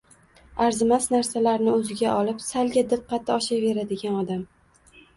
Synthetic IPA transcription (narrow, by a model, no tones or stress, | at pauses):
aɾzɪmasnaɾsalaɾnɪɵzɪɡʲaɒlɪpsalɡʲad̪ɨqːɑt̪ʰːɪɒʃave̞ɾad̪ɪɡʲanɒd̪am